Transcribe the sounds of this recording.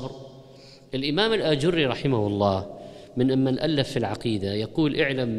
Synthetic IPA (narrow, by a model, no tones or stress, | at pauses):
bɾ | ʔɪlʔɪmaːmɪlʔaːd͡ʒʊɾːiɾˤɑħɪmahʊlˤːɑːmɪnʔamːanʔalːafːilʕɑqiːd̪ajɑquːlʔɪʕlam